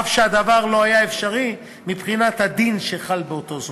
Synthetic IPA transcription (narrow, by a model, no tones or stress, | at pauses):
fʃead̪avaʁlo̞ajaefʃaʁi | mipχinat̪had̪inʃeχalbeot̪o̞z